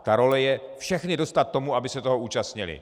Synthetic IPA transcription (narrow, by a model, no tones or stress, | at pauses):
t̪aɾo̞lɛjɛfʃɛxnɪdo̞st̪at̪̚ːo̞muabɪsɛt̪o̞ɦouːt͡ʃast̪ɲɪlɪ̰